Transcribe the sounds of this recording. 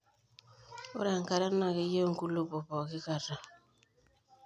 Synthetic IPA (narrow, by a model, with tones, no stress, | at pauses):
o̰˦ɾa˨ŋka˨ɾa˦na˨ki˦jo˦ŋ˦ku˦lu˦po˨pɔ˨ki˦ka˦˨ɾa˨